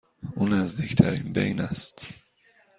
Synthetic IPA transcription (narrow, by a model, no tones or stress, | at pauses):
ʔuːnːæzd̪iːct̪ʰæ̰ɾiːnbḛjnæst̪